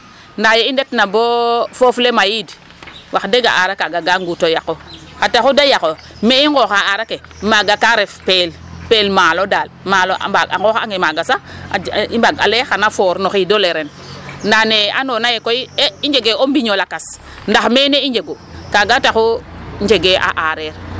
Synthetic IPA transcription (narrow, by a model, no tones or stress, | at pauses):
ndajeindetnabofoflemajid | waxdeɡa̰ʔaɾakaɡaɡaŋɡutojakoxataxudajako | meiŋɡoxaaɾake | maɡakaɾefpelpelmalodalmaloʔa̰aa̰ŋɡoxaŋemaɡasa | ibaɡa̰lexanafoɾnoxidoleɾen | ndanea̰nonajekoieiɲd͡ʒeɡeombiɲolakas | ndaxmeneiɲd͡ʒeɡokaɡataxoɲd͡ʒeɡeʔa̰ʔaɾeɾ